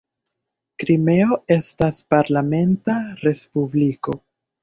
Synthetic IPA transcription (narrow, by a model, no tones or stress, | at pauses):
kɾime̞o̞e̞staspaɾlame̞ntaɾe̞spubliko̞